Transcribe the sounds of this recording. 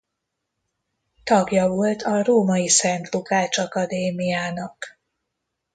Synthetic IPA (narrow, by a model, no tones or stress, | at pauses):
t̪ɒɡjɒvo̞lt̪ʰɒroːmɒjisɛnt̪lukaːt͡ʃɒkɒd̪eːmijaːnɒk